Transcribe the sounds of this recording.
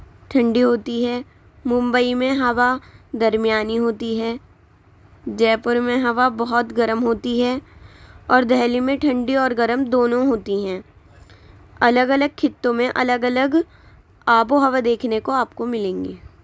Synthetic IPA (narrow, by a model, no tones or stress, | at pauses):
ʈʰɐ̃ɳɖiɦoːt̪iɦɛː | mʊ̃mbəimẽɦɐʋad̪ɐɾmijaːniɦoːt̪iɦɛː | d͡ʒɛːpʊɾmẽɦɐʋabɐɦɔt̪ɡɐɾəmɦoːt̪iɦɛː | ɔːɾd̪ʱɛːlimẽʈʰɐ̃ɳɖiɔːɾɡɐɾəmd̪oːnõɦoːt̪iɦɛ̃ː | ɐləɡɐləɡ̚kʰɪt̪ːõmẽʔɐləɡɐləɡ | aːboɦɐʋad̪eːkʰnekoaːpkomɪlẽːŋɡeː